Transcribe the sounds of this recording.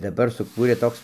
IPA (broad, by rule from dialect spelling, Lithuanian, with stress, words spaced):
dɐˈbɐr sʊˈkuːrʲeː ˈtoːks